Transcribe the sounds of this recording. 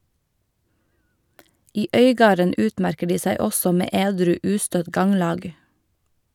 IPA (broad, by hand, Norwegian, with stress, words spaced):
ˈiː ˈœʏˌɡɑːɾən ˈʉːtˌmæɾkə ˈɖiː ˈsæɪ ˈɔsɔ ˈmeː ˈeːdɾʉː ˈʉːstœt ˈɡɑŋˌlɑːɡ